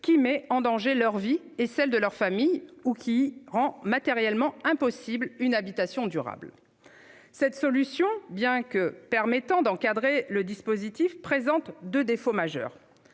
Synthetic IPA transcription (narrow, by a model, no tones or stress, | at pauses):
kʲimɛɑ̃d̪ɑ̃ʒelœʁvi | esɛld̪əlœʁfamijukʲʰiʁɑ̃mat̪eʁjɛlmɑ̃ɛ̃pɔsiblynabit̪asjɔ̃d̪yʁa̰bl | sɛt̪sɔlysjɔ̃bjɛ̃kəpɛʁmɛt̪ɑ̃d̪ɑ̃kad̪ʁeləd̪ispozit̪ifpχezɑ̃t̪d̪ød̪efomaʒœ̰ːʁ